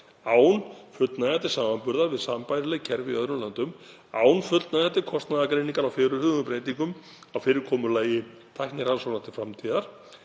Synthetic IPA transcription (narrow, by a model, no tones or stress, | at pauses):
aːwnfʏt̪naðɛt̪ɪɾ̥saːmanpʏɾðaɾvɪðsampajɾɪlɛɣcʰɛɾvɪœðɾʏmlant̪ʏm | a̰ːwnfʏlt̪naðɛt̪ɪɾkʰɔst̪naðakɾejniŋkaɾawfɪːɾʏhʏːɣʏŋʏpɾeːjt̪iŋkʏm | awfɪːɾɪɾ̥kʰɔːmʏɾlaːjɪ | t̪ʰajhknɪɾhansownaht̪ɪ̥fɾamt̪ʰiːðaɾ̥